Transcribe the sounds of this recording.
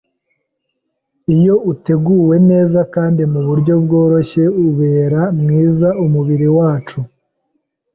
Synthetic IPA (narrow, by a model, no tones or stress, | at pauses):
ijo̞ute̞ɡuːwe̞ne̞ːzakaːndimuβuɾɟo̞bɡo̞ːɾo̞çe̞uβe̞ːɾamŋiːzaʔumuβiɾiwaːt͡ʃu